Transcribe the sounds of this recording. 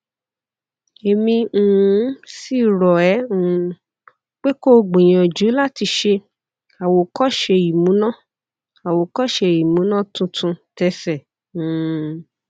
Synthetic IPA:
e˨mĩ˧˨˦si˦˨ɾɔ˨ɛ˨˦ũ˨˦ | k͡pe˦ko˦˨ɡ͡bĩ˨j̃ɔ̃˨d͡ʒu˨˦la˦ti˧ʃe˧ | a˨wo˨kɔ˦ʃe˧i˨mũ˨˦nã˦˨ | a˨wo˨kɔ˦ʃe˧i˨mũ˨˦nã˦˨tũ˧tʰũ˧tɛ˧sɛ̃˨˦˨

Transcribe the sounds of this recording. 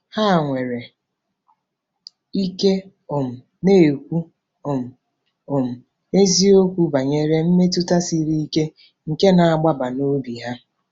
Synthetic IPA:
ha˦˨ŋʷe˨ɾe˨ | i˦ke˦ | ʊ˨m̩˨ | ne˦˨kʷu˦ | ʊ˨m̩˨ | ʊ˨m̩˨ | e˦zi˦o˦kʷu˦ba˨ɲe˦ɾe˦m̩˦me˦tʊ˦ta˦si˦ɾi˦i˦ke˦ | ŋ̩˨ke˦na˨a˦˨ɡ͡ba˦ba˨no˦bi˨ɦa˦

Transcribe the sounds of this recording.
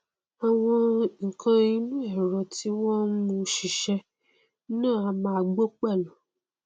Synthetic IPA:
a˨w̃ɔ̃˧ŋ̩˨kʰã˧i˧nũ˦ɛ˦˨ɾɔ˨ti˦wɔ̃˦mũ˧˦ʃi˨ʃɛ˧˦ | nãː˦˨a˧mãː˧ɡ͡bo˦k͡pa˦˨lɔ˨

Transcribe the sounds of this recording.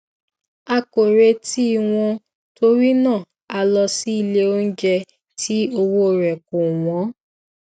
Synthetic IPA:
a˧ko˨ɾe˧ti˦i˦˨w̃ɔ̃˧ | to˧ɾi˦nã˦˨ | a˧lɔ˧si˦i˦˨le˧o˦n̩˦d͡ʒɛ˧ | ti˦o˧wo˦˨ɾɛ˨ko˨w̃ɔ̃˨˦

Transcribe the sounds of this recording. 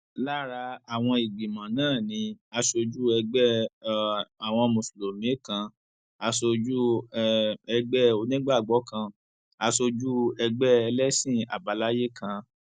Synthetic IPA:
la˦ɾa˧a˨w̃ɔ̃˧i˨ɡ͡bi˨mã˨nãː˦˨nĩ˧a˧so˧d͡ʒu˦ɛ˧ɡ͡bɛ˦ | a˨w̃ɔ̃˧mũ˨slo˨mĩ˨˦kã˧ | a˧so˧d͡ʒu˦ | ɛ˧ɡ͡bɛ˦o˧nĩ˦ɡ͡ba˦˨ɡ͡bɔ˨˦kã˧ | a˧so˧d͡ʒu˦ɛ˧ɡ͡bɛ˦ɛ˧lɛ˦sĩ˦˨a̰˨ba˨˦la˦je˦kʰã˧

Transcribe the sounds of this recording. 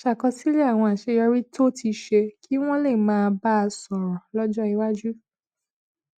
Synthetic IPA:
a˨ʃa˨kɔ˧si˦le˦a˦˨w̃ɔ̃˧a˨ʃe˨˧˦jɔ˧ɾi˦to˦ti˧ʃe˧kʰi˦w̃ɔ̃˦le˦˨mãː˨˦˧ba˦˧sɔ˨ɾɔ̃˨lɔ˦d͡ʒɔ˦i˧wa˦d͡ʒu˦

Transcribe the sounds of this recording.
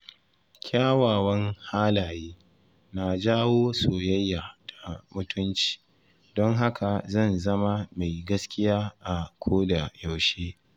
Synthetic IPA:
kʲʰaː˦waː˨wɐ˦ŋhaː˦laː˨jeː˦ | na˨d͡ʒaː˦woː˦soː˨jɐ˦jːaː˨tʰḁ˨mʊ˦tʰʊ˦nt͡ʃi̥ː˨ | dɔ˦ŋɦa˦kʰa˨zɐ˦˨nzɐ˦ma˦ma˨jɡɐ˦skʲɪ˦jaː˦ʔa˨kʷʰoː˦da˨ja˨wʃeː˦

